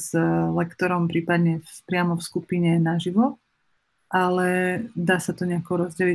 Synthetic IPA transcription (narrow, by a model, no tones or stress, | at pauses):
zlɛkt̪ɔɾɔmpɾiːpad̪ɲɛfspɾɪamɔfskupiɲɛnaʒiʋɔ | ʔalɛd̪aːsat̪ɔɲɛakɔɾɔzɟɛli